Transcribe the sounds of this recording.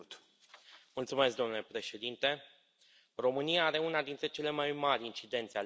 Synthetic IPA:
t̪ | mult̪sume̞s̬k̚d̪onulepɾe̞ʃe̞d̪int̪e̞ | ro̞mɨniaaɾe̞unad̪int̪ɾe̞t͡ʃe̞le̞majmaɾʲint͡ʃid̪e̞nt̪sea

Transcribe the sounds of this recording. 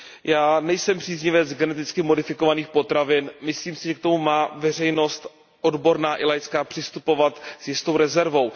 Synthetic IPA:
jaːnɛjsɛmpr̝̥iːzɲɪvɛd͡zɡɛnɛt̪̬ɪt͡skɪmo̞dɪfɪko̞vaniːxpo̞t̪ɾavɪnmɪsliːmsɪʒɛk̚t̪o̞mumaːvɛr̝ɛjno̞st̪ | ʔo̞dbo̞ɾnaːʔɪlajskaːpr̝̥ɪst̪upo̞vat̪sjɪst̪o̞wɾɛzɛɾvo̞w

